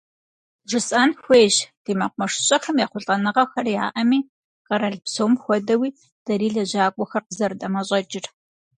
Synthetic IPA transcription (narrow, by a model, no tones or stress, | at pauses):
ʐɨsʼɐːnxʷeːʑd̥iːmɐqʷmɐʂɕʼɐxɐmjaːχʷʊɬʼɐnɨʁɐxɐrja̰ːʔɐmiː | qɐɾɐɮpsoːmxʷɔdɐwiː | d̥ɐɾiːɮɐʑaːkʷʼɔxɐrqəzɐɾɨdʼɐmɐɕʼɐd͡ʒɪr